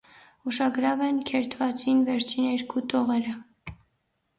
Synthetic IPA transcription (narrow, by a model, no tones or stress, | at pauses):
uʃɑɡɾɑvɛnkʰɛɾt̪ʰvɑt͡sinvɛɾt͡ʃʰinɛɾkʰut̪ʰɔʁɛɾə